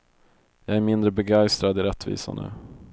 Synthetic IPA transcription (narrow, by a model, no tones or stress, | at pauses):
jɑæɾmɪnd̪ɾəbɛɡajst̪ɾad̪ɪɾɛt̪ːvḭːsa̰nə̰ː